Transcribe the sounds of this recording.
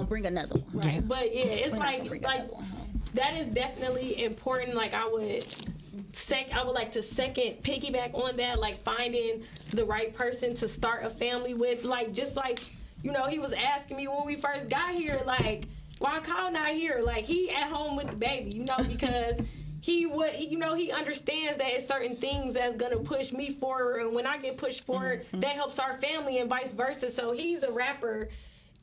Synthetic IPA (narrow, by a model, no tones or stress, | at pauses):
bɹɪ̃ŋɨnʌ̰ðə̰˞wʌ̃nɹɪt̚b̥ʌt̚jæɪtslaɪkŋlaɪkðɨɾɪzdɛfənɨtˡliɪ̃mpʰɔɹʔn̩laɪkaɪwəd | sɛkaɪwədˡlaɪk̚tʰɨsɛkɨ̃npʰɪkibækn̩ðɨt̚laɪkfãɪ̃ndɪ̃ŋ | ðɨɹaɪt̚pʰɜ˞sɨ̃ntʰɨstɑɹɾəfæ̃mliwɪð̥laɪk̚d̥ʒ̥ʌst̚ˡlaɪkjɨnoʊhiwʌzæskɪ̃ŋmiwə̃nwifɜ˞st̚ɡ̥ɑt̚hiɹlaɪk | wʔaɪkʰɑl̃ˠnəhiɹlaɪkhiɨt̚ɦõʊ̃mwɨðəbeɪbijɨnoʊbɨkʰʌz̥hiwʌjɨnoʊiʌ̃ndə˞stæ̃ndzðɨɾɨtsɜ˞ʔn̩θɪ̃ŋzðɨtsɡ̥ʌnəpʰʊʃmifə˞ɨ̃nwə̃naɪɡɛt̚pʰʊʃtfə˞ɪðɨt̚ɦɛlˠpsaʊə˞fæ̃mliɨ̃nvaɪsvɜ˞sɨz̥soʊizəɹæpə˞